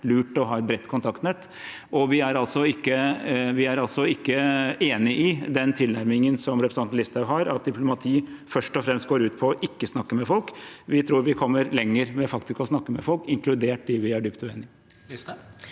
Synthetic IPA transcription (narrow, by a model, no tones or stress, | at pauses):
lʉːʈɔɦɑːɛt̪̚bɾɛt̪ːkʰʊnt̪ʰɑkt̪nɛt̪ː | ʔɔʋɪæɾɑlsɔɪkːəʋɪæɾɑlsɔɪkːəeːnɪʔɪd̪ɛnt̪ʰɪlnæɾmɪŋənsɔmɾɛpɾsɑnn̩lɪst̪ɑʉɦɑɾɑt̪̚d̪ɪpʰlʊmɑt̪ʰiːfœʂʈɔfɾɛmst̪ɡoːɾʉːt̪̚pʰɔɔʔɪkːəsnɑkːəmɛfɔlkʋɪt̪ʰɾuːɾʋɪkʰɔmːəɾlɛŋːəɾmɛfɑkt̪ɪskɔsnɑkːəmɛfɔlkɪŋklʉd̪eːʈ̚d̪ɪʋɪæɖʏpt̪ʉḛːnɪ